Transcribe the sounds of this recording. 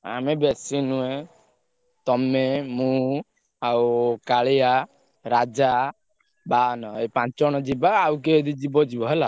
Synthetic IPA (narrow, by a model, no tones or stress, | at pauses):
a̰mebesinue | t̪ɔmemũ | awkaɭja | ɾad͡ʒa | banɔepãt͡ʃɔɽ̃ɔd͡ʒibaawkeːd̪id͡ʒibɔd͡ʒibɔɦela